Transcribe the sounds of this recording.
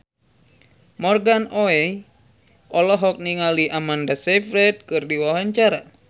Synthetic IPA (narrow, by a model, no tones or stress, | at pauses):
mɔrɡanoɛ | ɔlɔɦɔk̚niŋaliʔamandasɛfɾɛt̪̚kɨrdiwawaɲt͡ʃaɾa